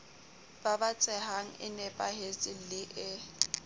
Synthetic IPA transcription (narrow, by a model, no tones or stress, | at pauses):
b̥abat͡sʼɛɦaŋ̩ʔɪ̰nɛpʼahet͡sʼɪlɪʔɪ